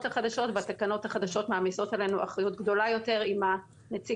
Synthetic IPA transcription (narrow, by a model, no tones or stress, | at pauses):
thaχadaʃo̞tvatakano̞thaχad̪aʃo̞tmaːmiso̞tale̞nuʔaχʁajutɡdo̞lajo̞te̞ʁima | net͡si